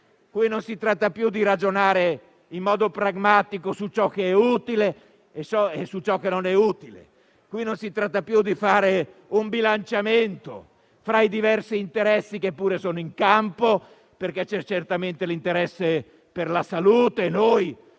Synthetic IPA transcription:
kwinonsit̪ɾat̪ːapjud̪iɾad͡ʒonaːɾe | imːɔːd̪opɾaɡmaːt̪ikosut͡ʃɔk̟ːeɛuːt̪ile | et͡ʃɔesut͡ʃɔkːenonɛuːt̪ilḛ | kwinonsit̪ɾat̪ːapjud̪ifaːɾeumbilant͡ʃament̪o̰ | fɾaid̪ivɛrsiːnt̪eɾɛsːikepːuːɾesoːnoiŋkampo | perk̟et͡ʃɛt͡ʃert̪ament̪elint̪eɾɛsːe | perlasaluːt̪enoj

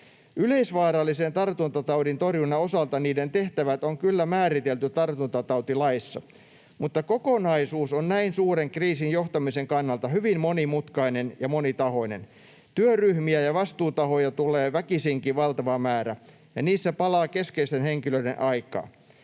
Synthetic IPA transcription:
ʔyleisʋɑːɾɑlːisent̪ɑrt̪unt̪ɑt̪ɑudint̪orjunːɑosɑlt̪ɑniːdent̪eht̪æʋæt̪oŋkylːæmæːɾit̪elt̪yt̪ɑrt̪unt̪ɑt̪ɑut̪ilɑisːɑ̰ | mut̪ːɑkokonɑisuːsonnæinsuːreŋkriːsinjoht̪ɑmiseŋkɑnːɑlt̪ɑhyʋimmonimut̪kɑinenjɑmonit̪ɑho̞inḛn | t̪yøryhmiæjɑʋɑst̪uːt̪ɑhojɑt̪uleːʋækisiŋkiʋɑlt̪ɑʋɑmæːɾæ | jɑniːsːæpɑlɑːkeskeist̪enheŋkiløidḛnʔɑikˑɑ̰ː

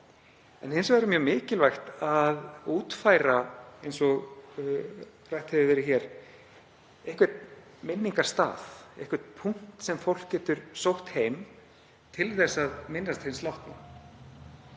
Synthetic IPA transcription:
ɛnejnsvaɾɪmjœːmɪːcɪlvajxt̪aðuːt̪faːjɾaejnsɔɣ | rajht̪hɛvɪvɛːɾɪçɛɾ | ehkvɛt̪̚ | mɪnːiŋkḁst̪a̰ːðḛhkvɛt̪̚pʰuŋ̥tt̪sɛmfowl̥cːɛːt̪ʏɾ̥sowht̪hejm | t̪ʰɪlθɛsːaðmɪnːast̪hejnst̪lawht̪na̰

